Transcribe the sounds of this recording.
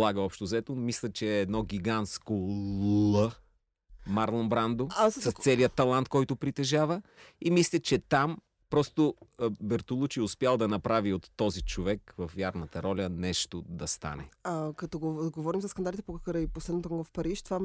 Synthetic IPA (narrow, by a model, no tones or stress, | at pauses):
lˠaɡəɔpʃt̪ozɛt̪omislʲət͡ʃɛːd̪nɔɡʲiɡant̪skolˠə | maɾlˠombɾand̪oassɐst̪sɛliət̪ːɐlˠant̪̚kɔjt̪ʊpɾit̪ɛʒavəimislʲət͡ʃɛt̪am | pɾɔst̪obɛɾt̪olˠut͡ʃiʊspʲjalˠd̪ɐnɐpɾaviot̪ːɔzit͡ʃovɛkvɐfvjaɾnət̪ɐɾɔlʲənɛʃt̪od̪ɐst̪a̰nɛ̰akɐt̪ɔɡoɡovɔɾimzɐskɐnd̪alʲit̪ɛpokɐkəɾəiposlɛd̪not̪okɡɔfpɐɾiʃt̪ova